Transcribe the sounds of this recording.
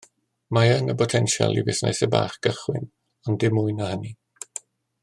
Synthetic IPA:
maənəpɔtʰɛnʃa̰lˠḭvɪsna̰jsɛba̰ːχkəχwɪ̰n | ɔndɪmʊɨnəhəni

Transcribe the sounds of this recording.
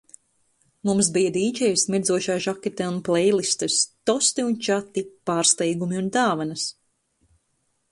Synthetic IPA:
mums̬bijad̪iːd͡ʒɛjsmiɾzuɔʃaːʒakʲet̪ʲɛunplɛjlˠist̪ɨst̪ɔst̪iunt͡ʃat̪ipaːɾst̪ɛjɡumiund̪aːvanɐs

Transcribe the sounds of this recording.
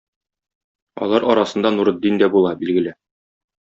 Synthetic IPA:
ɒ̰lˠɑɾɒɾɑsɤ̆nd̪ɑnuɾɤ̆d̪ːind̪æbulˠɑbilɡɘ̆lɘ

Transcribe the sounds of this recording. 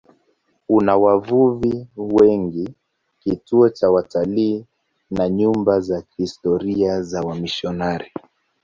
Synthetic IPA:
unawavuviwɛŋɡi | kituɔt͡ʃawataliː | naɲumbazahistɔɾiazawamiʃɔnaɾi

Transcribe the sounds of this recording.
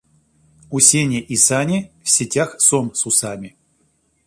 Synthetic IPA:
usʲenʲeʔisanʲifsʲɪtʲaxsomsusamʲɪ

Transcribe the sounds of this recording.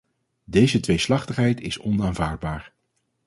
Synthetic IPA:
dejzətʋejslɑχtəχɦɛjtɪsɔnaːnvaːɹd̚baːɹ

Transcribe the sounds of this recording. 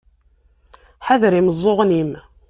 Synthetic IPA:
ħaðɾiməzˤːoʁnim

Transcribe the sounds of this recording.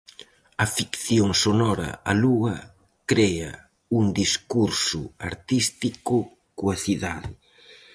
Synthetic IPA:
ɐfikθjoŋsonɔɾɐ̰aluɐ | kɾeɐ̰ | uŋd̪iskuɾsʊa̰ɾt̪ist̪ikʊ | koaθiðaðɪ

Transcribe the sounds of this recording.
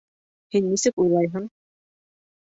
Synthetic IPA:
hinːisɘkujlˠɑjɦɤɴ

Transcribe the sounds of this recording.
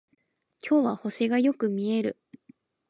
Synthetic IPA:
kʲo̞ːβaho̞seɡajo̞kɯ̟mʲie̞ɾɯ̟̰

